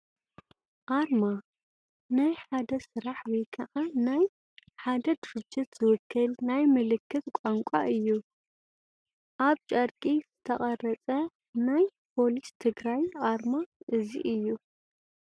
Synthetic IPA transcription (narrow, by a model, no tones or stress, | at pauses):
ʔaɾma | najħad̪ɐsɨɾaħwikʰɐʔanaj | ħad̪ɐd̪ɨɾɨd͡ʒːɪt̪z̥ɨwɨkʰːɐlnajmɨlɨkʰːɨt̪kʷʼaŋkʷʼaʔɨjːu | ʔaβt͡ʃʼɐɾkʼiz̥ɨt̪ʰɐχʼɐrɐt͡sʼɐ | najpʰo̞list̪ʰɨɡɾajʔaɾmaʔɨzḭʔɨjːu